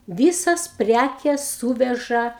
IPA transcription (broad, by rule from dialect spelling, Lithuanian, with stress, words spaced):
ˈʋʲiːsɐs ˈpʲrʲækʲɛs ˈsuːʋʲɛʒɐ